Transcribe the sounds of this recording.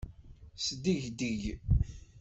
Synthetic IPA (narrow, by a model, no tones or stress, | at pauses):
səd̪iʝd̪iʝ